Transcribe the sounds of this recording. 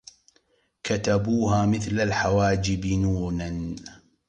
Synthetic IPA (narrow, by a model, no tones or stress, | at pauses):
kat̪abuːɦaːmɪθlalħawaːd͡ʒɪbɪnuːnan